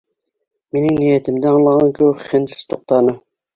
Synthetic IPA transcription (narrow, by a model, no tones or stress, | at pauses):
menɪŋnijɛt̪ʰɪmd̪ɛɑŋlˠɑʁɑnkʲʰøwχɪnʰɪst̪ʰoq̚t̪ʰɑːnɨ